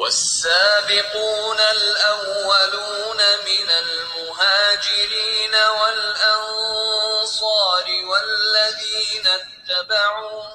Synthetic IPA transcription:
wasːaːbɪquːnalʔawːaluːnamɪnalmʊɦaːd͡ʒɪɾiːnawalʔɑn | sˤɑːɾɪwalːaðiːnat̪ːabaʕuː

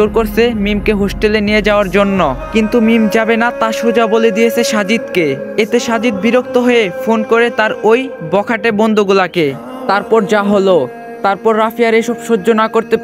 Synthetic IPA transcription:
oɾkoɾsʰemimkeɦosʈelenijed͡ʑaoaɾd͡ʑonːokint̪umimd͡ʑabenat̪aʃod͡ʑaboled̪ijet͡ɕʰeʃad͡ʑid̪keet̪eʃad͡ʑid̪̚biɾok̚t̪oɦoefonkoɾet̪aɾojbɔkʰaʈebond̪uɡulake | t̪aɾpɔɾd͡ʑaɦolo | t̪aɾpɔɾːafijaɾeʃɔbʃoːonakoɾt̪e

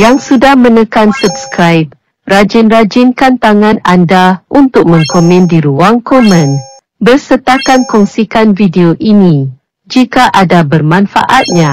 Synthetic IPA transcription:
jaŋsudahmə̃nə̃kansub̚skɾajp̚ | rad͡ʒɪnrad͡ʒɪnkant̪aŋãnandaʔunt̪ʊk̚mə̃ŋkomɛ̃ndiɾuaŋkɔmə̃n | bərsət̪akankɔŋsikanvideoʔinĩ | d͡ʒikaʔadabərmãnfa̰ʔat̪̚ɲã

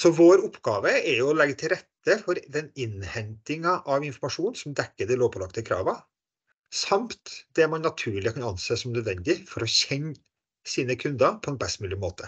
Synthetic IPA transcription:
sɔʋoːɾʊpːɡɑːʋəɛɾjʊɔlɛɡət̪ʰɪlɾɛt̪ːəfɔɾd̪ɛnɪnhɛnt̪ɪŋɑʔɑʋɪnfɔɾmɑʂuːnsɔmd̪ɛkːəd̪ɛloːpʰɔlɑkt̪əkʰɾɑ̰ːʋɑ | sɑmt̪d̪̥ɛmɑnnɑt̪ʰʉːɭɪkʰɑnɑnseːsɔmnœd̪ʋɛnd̪ɪfɔɾɔçɛɲ | siːnəkʰʉnd̪ɑpʰɔɛnbɛst̪mʉːlɪmoːt̪ʰə

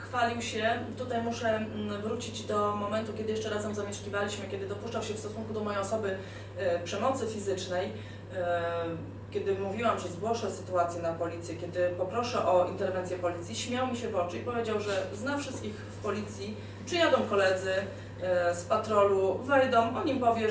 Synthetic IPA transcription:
xfalʲiwɕɛt̪ut̪ajmuʂɛvɾut͡ɕid͡ʑd̪ɔmɔmɛnt̪ukʲɛd̪ɘɪjɛʂt͡ʂɛɾazɛmzamʲjɛʂkʲivalʲiɕmɘkʲɛd̪ɘd̪ɔpuʂt͡ʂawɕɛfst̪ɔsuŋkud̪ɔmɔjɛjɔsɔbɘ | pʂɛmɔt̪sɘfʲizɘt͡ʂnɛj | kʲjɛd̪ɘmuvʲiwamʐɛzɡwɔʂɛsɘt̪uat̪sʲjɛnapɔlʲit̪sʲjɛkʲjɛd̪ɘpɔpɾɔʂɛʔɔint̪ɛɾvɛnsʲjɛpɔlʲit̪sʲjiɕmʲjawmʲiɕɛvɔt͡ʂɘipɔvʲjed͡ʑawʐɛznafʂɘst̪̚kʲixfpɔlʲit̪sʲji | pʂɘjad̪ɔm̃kɔlɛd̪zɘ | spat̪ɾɔluvɛjd̪ɔmʔɔɲimpɔvʲjɛ

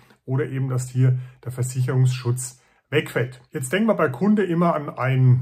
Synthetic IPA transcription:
ʔoːɾɐʔeːbm̩dastʰiːɐd̥eːɐfɛɐzɪç̬əɐʁʊŋsʃʊt͡s | vɛkfɛltjɛt͡std̥ɛŋkn̩viɐbaɪkʰʊndəʔɪmɐanʔaɪn

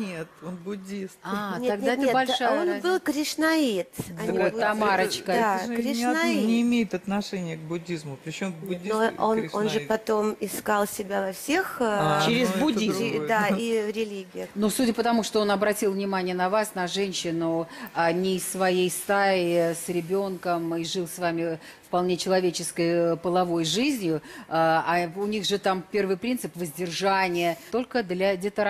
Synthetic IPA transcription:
nʲet̪onbʊdʲist̪anʲeɐɡdnʲaɛt̪ebɐlʲʂajonbɨlˠkɾʲɪʂnɐit̪bɐnibt̪ːɐmaɾət͡ɕkədaɾʲɪʂʲnainʲɪːmʲejɪt̪ɐt̪nɐʂɛnʲɪjək̚bʊdʲːizmʊpɾʲɪt͡ɕombʲnoononʐɨpɐt̪omɪskalˠsʲɪbʲavɐfsʲext͡ɕɪɾʲɪzbʊdʲid̪aiɾʲɪlʲiɡʲɪjʊnusudʲəpət̪ɐmuʂt̪oo̞nɐbɾɐtʲilˠvnʲɪmanʲɪjənɐvasnɐʐɛnʲɕːɪnʊanʲɪsvɐjejst̪aɪsɾʲɪbʲo̞nkəmiʐɨlˠsvamʲɪ | fpɐlˠnʲe̞t͡ɕɪlˠɐvʲet͡ɕɪskəjpəlˠɐvo̞jʐɨzʲnʲjʊaaʊnʲiɣʐɨt̪ampʲe̞rvɨjpɾʲint̪sɨpvəzʲdʲɪrʐanʲɪjət̪o̞lʲkəd̪lʲadʲɪt̪əɾ

